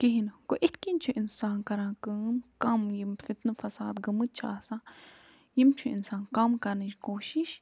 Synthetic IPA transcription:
kiɦinkoʔit̪̚ʰkint͡ʃʰuʔinsaːnkɐɾãːkɨːnkɐmjimfit̪nɨfɐsaːd̪ɡɐmɨt̪̚t͡ʃʰʔaːsã | jimt͡ʃʰuḭnsaːnkɐmkɐɾnɨd͡ʒkoːʃiʃ

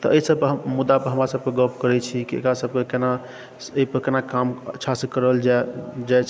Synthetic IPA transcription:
t̪ɔəisəbkɦmud̪ːapəɾɦəmɾasəb̚keɡəp̚ʰkəɾɛt͡ʃʰikiḛkɾasəb̚kekena | əipəɾkenakamətːʃʰasẽkəɾəld͡ʒd͡ʒajt͡ʃʰ

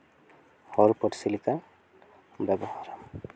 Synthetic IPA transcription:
hɔɹpɔtsilikan | bɛbɔhaɹam

